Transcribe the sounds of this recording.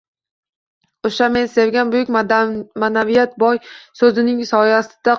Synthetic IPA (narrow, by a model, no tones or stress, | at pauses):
oʃame̞nsevɡʲanbʊjʊkʲmanavijat̪̚bɒjsɵzɪnɪŋsɒjasɪd̪̥a